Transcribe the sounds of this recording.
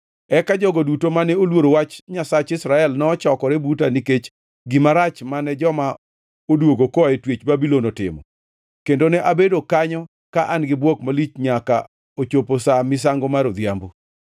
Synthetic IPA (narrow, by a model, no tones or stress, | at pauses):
ɛkad͡ʒɔɡodutomanɛolwoɾowat͡ʃɲasat͡ʃɪsɾaɛlnɔːt͡ʃɔkɔɾɛbutaniket͡ʃ | ɡɪmaɾat͡ʃmanɛd͡ʒɔma | odwoɡokɔɛtwet͡ʃbabilonɔtɪ̰mɔ̰ | kendonɛʔabedokaɲɔ | kaʔanɡɪbwɔkmalit͡ʃɲaka̰ | ot͡ʃoposamɪs̬aŋɡomaɾod̪jambo